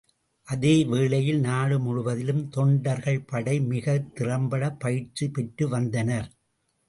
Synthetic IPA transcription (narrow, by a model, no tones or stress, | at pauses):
ʔɐðeːʋeːɭɐjɪlnaːɽɯmʊɻʊʋɐðɪlɯmt̪ɔɳɖɐɾɣɐɭpɐɽɐɪmɪɣɐt̪ːɪɾɐmbɐɽɐpːɐjɪɾt͡ʃːipɛʈːɯʋɐnd̪ɐnɐɾ